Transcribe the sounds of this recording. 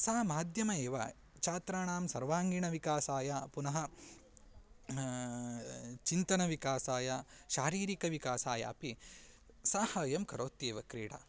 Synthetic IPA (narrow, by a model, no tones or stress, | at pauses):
saːmaːd̪ʱjɐmɐeːʋɐ̰ | t͡ʃaːt̪ɾaːɳaːmsɐɾʋaːŋɡiɳɐʋikaːsaːjapunɐɦɐ | t͡ʃint̪ɐɳɐʋikaːsaːjaʃaːɾiːɾikɐʋikaːsaːja̰ːpi | saːhɐːjɐmkɐɾoːt̪jeːʋɐkɾiːɽɐ̰